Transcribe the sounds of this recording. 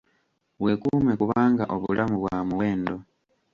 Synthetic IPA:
we̞kuːme̞kuβaːŋɡaʔoβṵlʔamuβwamuwe̞ːndo̞

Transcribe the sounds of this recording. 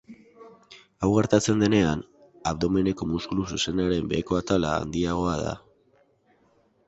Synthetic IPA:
awɣaɾt̪at͡se̞nd̪e̞ne̞an | aβd̪o̞me̞ne̞ko̞muskulususe̞naɾe̞mbe̞ko̞at̪ala̰ːnd̪iaɣ̞o̞að̞a̰

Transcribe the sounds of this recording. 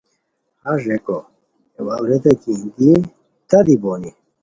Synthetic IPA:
haʐeko | ewawɾed̪ɐkiːnd̪i | t̪ɐd̪iboːni

